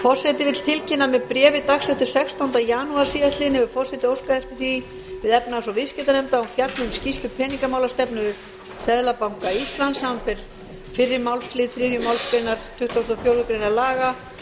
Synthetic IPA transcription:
fɔr̥sɛt̪ɪvɪt̪l̥t̪ʰɪlcɪnːamɛðpɾjɛːvɪt̪axsɛht̪ʏɾ̥sɛkst̪awnt̪ajaːnuaɾ̥siːðast̪lɪnhɛvʏfɔr̥sɛt̪ɪowskaɛft̪ɪ̥θi | vɪðɛpnasɔvɪðscɛt̪anɛmt̪aufjat̪ʏmscist̪ʏpʰɛːniŋkamaːwlast̪ɛpnʏðʏɾ | sɛðlapawŋkaist̪lansampɪɾ̥ | fɪrːɪɾmawlsflɪːt̪θɾɪːðjʏmawlspɪnaɾ̥t̪ʰʏht̪ʰvowst̪ɔfjowɾðʏpɾenaɾlaːɣa

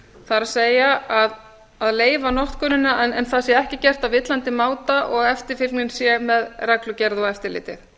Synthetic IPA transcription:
θaɾaðseːjaað | aðleːjvanɔht̪kʰœnɪnːaʔɛnɛnθaðsjɛɛhcɪcɛr̥t̪avɪt̪lant̪ɪmaːwt̪aʔɔɣɛft̪ɪɾ̥fɪɾknɪnsjɛmɛðrɛklʏcɛɾðɔɣɛft̪ɪɾlɪ̰ːt̪ɪ̰θ

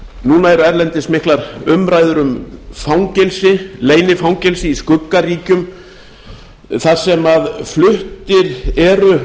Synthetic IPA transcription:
nuːnaɛɾʏɛɾlɛnt̪ɪsmɪhklaɾʏmɾaːjðʏɾʏmfawŋcɛlsɪleːjnɪfawŋcɛlsɪiskʏkːariːcʏm | θaɾ̥sɛmaðflʏht̪ɪɾɛɾʏ

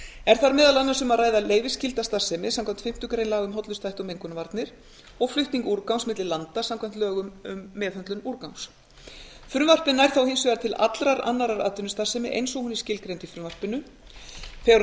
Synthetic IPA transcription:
ɛɾ̥θaɾmɛːðalanːasʏmaðraːjðaleːjvɪscɪlt̪ast̪asɛmɪsamkʰvam̥t̪fɪm̥t̪ʏkɾejnlaːɣʏmɦɔt̪lʏst̪ajht̪ɔmejŋkʏnavaɾt̪nɪɾ̥ | ɔɣflʏht̪niŋkuɾkawsmɪt̪lɪlant̪asamkʰvajm̥t̪œːɣʏmʏmːɛːðhœnt̪lʏnuɾkawns | fɾʏvar̥pɪnaɛɾ̥θawhɪnsvɛɣaɾt̪ʰɪla̰t̪lɾaɾa̰nːaɾaɾa̰ːt̪ʏnʏst̪asɛmɪʔḛjnsɔɣhunɪ̥scɪlkɾejnt̪ɪfɾʏvar̥pɪnːʏ | θɛɾ

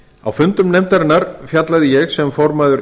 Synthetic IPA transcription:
a̰wfʏnt̪ʏmnɛjmt̪aɾɪnːaɾfjat̪laðɪjɛɣsɛmfɔɾmaðʏɾ

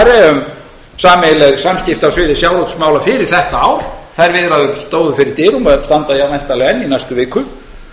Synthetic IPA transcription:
ɾɛʏm | saːmɪlɛɣsamscɪft̪awsvɪːðɪsjawɾowt̪smaːwlafɪːɾɪɾ̥θɛht̪aaːwɾ̥θajɾvɪðɾaðʏɾst̪oːwðʏfɪɾɪɾ̥t̪ɪːɣʏmst̪ant̪aiamɛjnt̪alɛɣɛnːinajst̪ʏvɪːkʏ

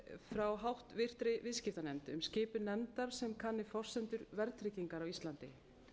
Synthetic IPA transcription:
fɾawɦawht̪vɪr̥t̪ɾɪvɪðscɪft̪anɛmt̪ʏmscɪːpʏnɛmt̪aɾ̥sɛmkʰanːɪfɔr̥sɛnt̪ʏɾvɛɾt̪ʰɾɪcːiŋkaɾawist̪lant̪ɪ̰

